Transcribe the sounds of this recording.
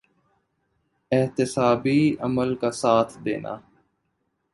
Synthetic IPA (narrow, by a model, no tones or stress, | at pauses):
ɪɦt̪ɪsaːbiəməlkasaːt̪ʰd̪ḛːnʔa̰ː